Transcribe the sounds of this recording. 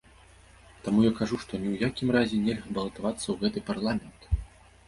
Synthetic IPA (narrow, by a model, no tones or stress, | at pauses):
t̪amujakaʐuʂt̪ɔnʲiwjakʲimrazʲɛnʲɛlʲɣɐbɐlˠɐt̪avat̪sːɐwɣɛt̪ɨparlˠamʲɛnt̪